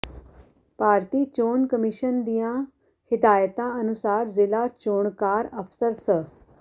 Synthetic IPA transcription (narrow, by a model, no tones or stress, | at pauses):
paːɾt̪iːt͡ʃoːnkəmɪʃənd̪ijãː | hɪd̪aːjət̪ãːənʊsaːɾzɪlaːt͡ʃoːɳkaːɾəpʰsəɾsə